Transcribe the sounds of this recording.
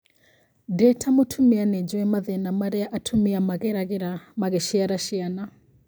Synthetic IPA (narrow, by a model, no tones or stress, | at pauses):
dɛtʰamotʰumianɛd͡ʒɔɛmaðɛnamaɾɛaʔatʰumiamaɣɛɾaɣiɾamaɣɛʃiaɾaʃiana